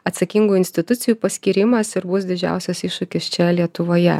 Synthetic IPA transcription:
ɐt̪sɐkʲiŋɡuːɪnʲsʲt̪ʲɪt̪ʊt̪sʲɪjuːpɐsʲkʲiːɾʲɪmɐsɪɾbʊs̬d̪ʲɪd͡ʒʲæ̰ˑʊsʲɛsiʃʊkʲɪst͡ʃʲɛlʲiɛt̪ʊʋoːjɛ̰

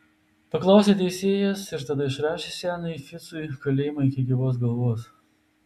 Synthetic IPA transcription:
pɐklˠɑˑʊsʲeːt̪ʲɛɪsʲeːjɛsɪɾt̪ɐd̪ɐɪʃɾɑːʃʲesʲæːnɐɪfʲɪt̪sʊɪkɐlʲeːjmɐɪkʲɪɡʲɪʋoːsɡɐlˠʋoːs

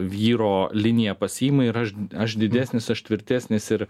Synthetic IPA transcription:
ʋʲiːɾoːlʲɪnʲɪjɛpɐsʲiːmɐɪɾɐʃɐʃd̪ʲɪd̪ʲæːsʲnʲɪsɐʃt̪ʲʋʲɪɾʲt̪ʲæːsʲnʲɪsɪɾ

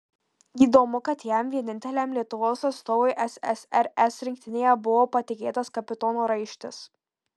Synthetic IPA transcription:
iːd̪oːmʊkɐt̪jɛmʋʲiɛnʲɪnʲt̪ʲɛlʲæmlʲiɛt̪ʊʋoːsɐt̪st̪oːʋʊɪʔɛsɛ̰sʲɛɾɛsɾʲɪŋʲkʲt̪ʲɪnʲeːjɛbʊʋoːpɐt̪ʲɪkʲeːt̪ɐskɐpʲɪt̪ɔːnoːɾɐɪʃʲt̪ʲɪs

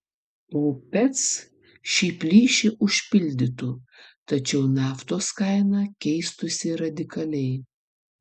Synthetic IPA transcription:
oːpʲɛt̪s | ʃʲiːpʲlʲiːʃʲɪʔʊʃʲpʲɪlʲd̪ʲɪt̪ʊt̪ɐt͡ʃʲɛʊnɑːft̪oːskɐɪnɑkʲɛɪst̪ʊsʲɪɾɐd̪ʲɪkɐlʲɛɪ

